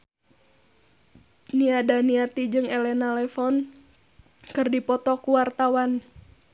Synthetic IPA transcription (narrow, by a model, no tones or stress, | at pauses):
niadaniat̪id͡ʒɨŋɛlɛnalɛfɔn | kɨrdipɔt̪ɔkuwart̪awan